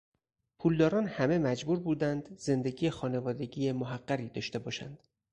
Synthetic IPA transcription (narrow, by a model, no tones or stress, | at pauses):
pʰuːld̪ɒːɾɒːnhæme̞mæd͡ʒbuːɾbuːd̪ænd̪ze̞nd̪e̞ɟiːjexɒːne̞vɒːd̪e̞ɡiːjemoɦæɢːæɾiːd̪ɒːʃt̪e̞bɒːʃæ̰nd̪̥